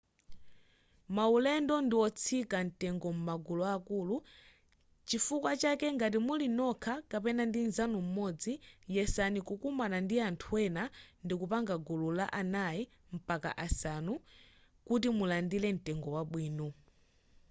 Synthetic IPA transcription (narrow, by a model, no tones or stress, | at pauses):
maulɛndɔndiwɔt͡sʰikan̩tɛŋɡɔmumaɡuluakulu | t͡ʃifukwat͡ʃakɛŋɡat̬imulinɔkʰakapɛnandinzanum̩mɔd͡zijɛsanikukumanandiantʰuwɛnandikupaŋɡaɡululaʔanaji | m̩paka̰ʔasanu | kut̬imulandilɛn̩tɛŋɡɔwaɓwiːnɔ